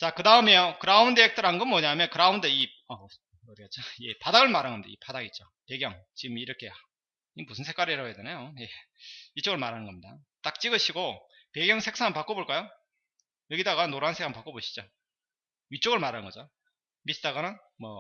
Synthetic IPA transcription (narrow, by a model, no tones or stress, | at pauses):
t͡ɕakɯdaɯme̞jokɯɾaundeek̚t͈ɯɾanɡɯmːʌɲamjʌnkɯɾaunde̞i | ʌ | ʌɾiket͡ɕ͈ojepadaɡɯɭmaɾanɡʌmɲida̰ipadaɡit̚t͡ɕ͈o | pe̞ɡjʌŋt͡ɕiɡɯmiɾʌkʰe̞a | imusʰɯnsʰe̞kwaɾiɾaedenajojeit͡ɕ͈oɡɯɭmaɾanɯnɡʌmɲida̰t͈ak̚t͡ɕ͈iɡɯɕʰiɡo | pe̞ɡjʌŋsʰe̞ks͈aŋɯnpak͈oboɭk͈ajo | jʌɡidaɡanːoɾansʰeŋɯmpak͈oboɕʰi̥d͡ʑo | it͡ɕ͈oɡɯɭmaɾanŋɡʌd͡ʑo | misʰɯ̥taɡanɯn | mʌ